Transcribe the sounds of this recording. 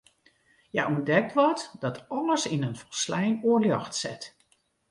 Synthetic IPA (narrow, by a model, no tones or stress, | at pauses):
jaʔɔndɛk̚tʋɔtdɑtʰɑləsɪnənfəlslɛjnoːɹljɑxtsɛt